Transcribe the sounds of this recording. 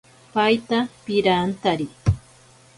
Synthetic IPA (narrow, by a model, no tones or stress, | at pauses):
pajt̪apɪɾaːnt̪aɾi